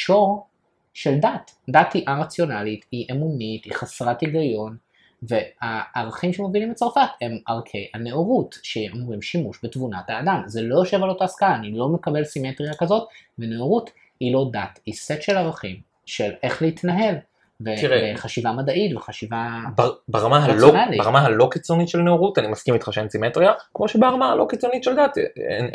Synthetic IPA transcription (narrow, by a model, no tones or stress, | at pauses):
ʃo̞ʁ | ʃe̞ldatdathiʔaʁat͡sjo̞nalitiʔemunitiχasʁatiɡajo̞n | ve̞aːʁaχimʃemovilimet͡saʁfathe̞maʁkʰeane̞oʁutʃeomʁimʃimuʃbetvunataːdamzelo̞jo̞ʃe̞valotaːskaaːnilo̞mekabe̞lsimetʁijakazo̞tveneoʁut | hilo̞datiset̪ʃe̞laʁaχim | ʃele̞χleit̪naɦe̞l | veiʁeeχaʃivamad̪aʔit̪veχaʃivabbeʁamaɦalonalibeʁamaalo̞kit͡sonit̪ʃelneoʁut̪animaskimit̪χaʃemsimet̪ʁiakmo̞ʃebaaʁamaalo̞kit͡sonitʃeld̪at̪